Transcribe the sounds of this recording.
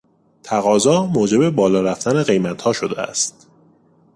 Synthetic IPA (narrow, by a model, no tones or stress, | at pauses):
t̪ʰæɣɒːzɒːmoːd͡ʒe̞be̞bɒːlɒːɾæft̪æne̞ɣe̞jmæt̪ʰhɒːʃo̞d̪eæ̰st̪̚